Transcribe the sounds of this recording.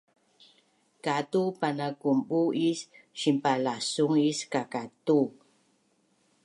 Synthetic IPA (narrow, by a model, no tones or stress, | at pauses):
katupanakumɓuisʃimpalasuŋiskakatu